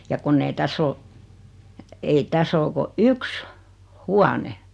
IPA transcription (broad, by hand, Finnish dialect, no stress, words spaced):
jɑ kunː ei tæsː o ei tæs oː ko yks huɑne